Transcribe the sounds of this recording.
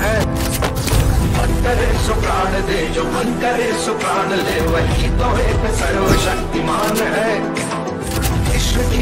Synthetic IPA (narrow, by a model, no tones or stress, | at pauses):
ɦɛː | mɐ̃ŋkəɾeːsʊkaːɽd̪eːd͡ʒoːmɐ̃ŋkəɾeːsʊkaːɽleːʋɐɦit̪õːeːksɐɾoːʃɐkt̪imaːnɦɛː | ɪʃʋɐki